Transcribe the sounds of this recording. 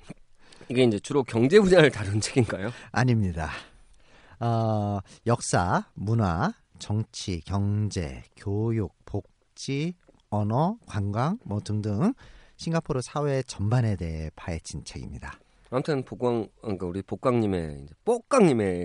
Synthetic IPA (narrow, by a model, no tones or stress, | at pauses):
iɡe̞ind͡ʑe̞t͡ɕuɾokjʌŋd͡ʑe̞bud͡ʑaɾɯɭtaɾɯnt͡ɕʰeɡinɡajoaɲimɲida | ʌjʌk̚s͈amunwa | t͡ɕʌŋt͡ɕʰikjʌŋd͡ʑe̞̰kjojuk̚pok̚ | t͡ɕ͈i | ʌnʌkwaŋɡwaŋmʌtɯŋdɯŋɕʰiŋɡapʰoɾosʰawet͡ɕʌmbane̞de̞ɦepʰaet͡ɕ͈int͡ɕʰeɡḭmɲida | amtʰɯnpoɡaŋk͈auɾipok͈aŋɲime̞̰ind͡ʑe̞p͈ok͈̚aŋɲime